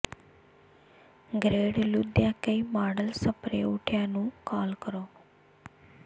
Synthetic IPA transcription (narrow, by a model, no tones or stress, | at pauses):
ɡɾeːɽlʊd̪jãːkəimaːɖəlsəpɾḛːʊʈʰjãːnũːkaːlkəɾoː